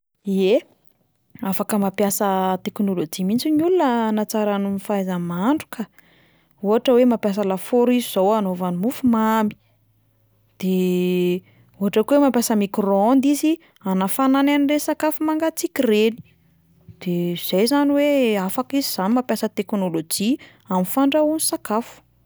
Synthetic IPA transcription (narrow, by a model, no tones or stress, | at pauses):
ie | afakəmapjasət̪ekunulod͡ʒimint͡sinulunənat͡saɾanumifaajzəmaɳɖ͡ʐukə | uɦaʈ͡ʂəwemapjas̬əlafoɾiziz̥owanovanimufumami̥ | d̪̥e | uɦaʈ͡ʂəkuwemampjasəmikrɔnd̪izi | anafanananirenisakafumaŋɡat͡sikʲireni̥ | d̪̥ez̥ejzaniweafakiziz̥animapjasət̪eknolod͡ʒi | amifaɳɖ͡ʐaunisakafu̥